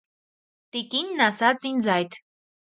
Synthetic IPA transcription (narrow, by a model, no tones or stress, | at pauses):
t̪ikinːasat͡sinzajt̪